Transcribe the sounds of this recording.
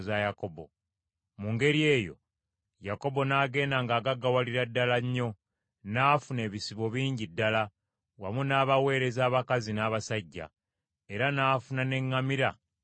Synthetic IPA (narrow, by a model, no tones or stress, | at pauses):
zajako̞bo̞̰ | muŋɡe̞ɾie̞ːjo̞̰ | jako̞bo̞naːɡe̞ːndaŋɡaːɡaɡawaliɾadːalaɲːo̞ | naːfune̞ːβisiβo̞βiːɲɟidːala | wamunaːβawe̞ːɾe̞zaːβakazinaːβasaɟːa̰ | e̞ɾanaːfunane̞ŋːamiɾa